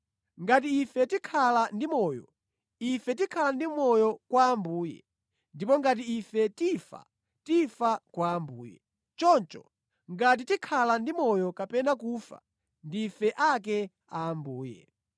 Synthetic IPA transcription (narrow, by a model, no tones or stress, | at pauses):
ŋɡat̬iːfɛtikʰalandimɔjɔ̰ | ifɛt̬ikʰalandimɔjɔkwaːmbuːjɛ̰ | ndipɔŋɡatiːfɛtifa̰ | tifakwaːmbuːjɛ̰ | t͡ʃɔnt͡ʃɔ | ŋɡat̬itikʰalandimɔjɔkapɛnakuːfa̰ | ndiːfɛʔak̬ɛ | aːmbuːjɛ̰